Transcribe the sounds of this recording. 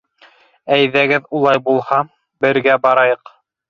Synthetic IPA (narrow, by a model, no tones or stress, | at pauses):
æjðæɡɘðulˠɑjbulˠhɑ | bɘ̆ɾɡæbɑɾɑjɤq